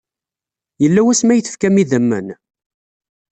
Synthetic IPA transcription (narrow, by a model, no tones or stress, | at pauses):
jəlːæwæsmæjəθə̥fkæmiðəmːə̰n